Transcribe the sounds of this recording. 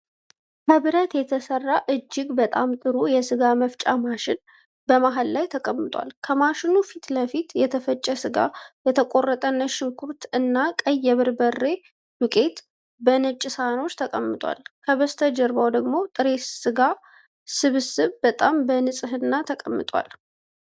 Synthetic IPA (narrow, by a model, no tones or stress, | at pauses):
kʰəβɨɾət̪jɛt̪ʰəsərːaʔɨd͡ʒːɪɡbət̪ʼamt̪ʼɨɾujɛsɨɡaməft͡ʃʼamaʃɪn | bəmaɦallajt̪ʰəkʼəmːɨt̪ʼwa̰lkʰəmaʃɪnufit̪ləfit̪jɛt̪ʰəfət͡ʃʼːɛsɨɡa̰jɛt̪ʰəkʼo̞rːət̪ʼənːəʃɪŋkʰuɾt̪ɨnːakʼəjːɛβɨɾbərːe̞ | wʊkʼe̞t̪ | bənɨt͡ʃʼːɪsano̞t͡ʃːt̪ʰəkʼəmːɨt̪ʼwa̰lkʰəβəst̪ʰəd͡ʒɛɾbawd̪əɡmo̞t̪ʼɨɾe̞t̪sɨɡa | sɨβɨsɨβbət̪ʼambənɨsʼɨhɨnːat̪ʰəkʼəmːɨt̪ʼwa̰l